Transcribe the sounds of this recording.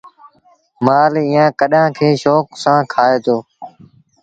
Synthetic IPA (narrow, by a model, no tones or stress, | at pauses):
maːlɪjãːkəɗãːkʰeːʃɔːksãːkʰaːeːt̪ʰoː